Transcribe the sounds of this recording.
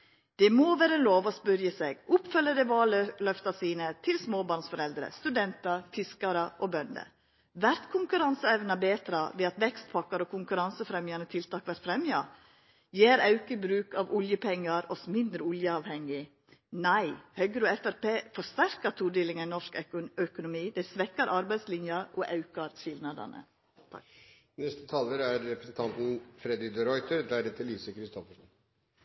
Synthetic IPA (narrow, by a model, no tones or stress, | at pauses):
d̪̥ɛmoːʋæːɾəloːʋɔspʉɾjəseːɡʊpfœlːəd̪ɛʋɑːllœft̪ɑsiːnət̪ʰɪlsmoːbɑːɾɳsfɔɾɛld̪ɾə̰st̪ʉd̪ɛnt̪ɑɾfʰɪskɑɾəʔɔbœnd̪ə̰ | ʋæɾt̪kʰʊŋkʉɾɑnsəɛʋnɑbeːt̪ʰɾɑʋɛɑt̪ʋɛkst̪̚pʰɑkːɑɾɔkʊŋkʉɾɑnsəfɾɛmjɑnət̪ʰɪlt̪ʰɑːkʋæɾt̪fɾɛmjɑ | jeːɾɑʉkəbɾʉːkɑʋʊljəpʰɛŋːɑɾɔsmɪnd̪ɾəʊljəɑːʋhɛŋːɪ | næɪhœɡɾoɛfæɾpeːfɔʂt̪æɾkɑt̪ʰuːd̪eːlɪŋənnɔʂkœkʊnʊmiːd̪ɛsʋɛkːɑɾʔɑɾbæɪd̪slɪnjɑɾɔʔɑʉkɑɾçɪlnɑd̪ɑ̰nə̰ | t̪ʰɑ̰ | nɛst̪ə̥t̪ʰɑːləɾæɾːɛpɾəsn̩t̪ɑnt̪n̩fɾɛd̪ɪd̪əɾɔʏt̪əɾd̪æːɾət̪ʰɪliːsəkʰɾɪst̪ɔfəʂɔn